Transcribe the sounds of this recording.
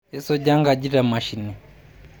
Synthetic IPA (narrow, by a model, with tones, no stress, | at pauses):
jɛ˦sɔ˦ɟa˦ŋɡa˨ɟi˦ɾa˨ma˨ʃi˨ni˨